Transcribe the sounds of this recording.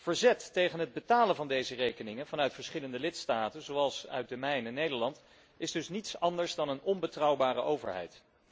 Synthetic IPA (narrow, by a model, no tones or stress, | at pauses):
v̥əɹzɛtːejχənɦəd̚bətaːlənvɑndejzərejkənɪŋənvɑnœɥtfəɹsχɪləndəlɪtstaːtənzowɑlˠsœ̰ɥt̚dəmɛjnɛnːejdəɹlɑnt | ɪzdɵsnitsɑndəɹzdɑnənɔnbətrɑwbaːrə̰ʔowvə̰ɹɦɛ̰jt